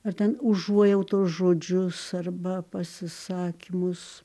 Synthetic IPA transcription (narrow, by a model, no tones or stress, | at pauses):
ɐrt̪ʲɛnʊʒuɔjɛʊt̪uɔsʒoːd͡ʒʲʊsɐrbɐpɐsʲɪsɑːkʲɪmʊs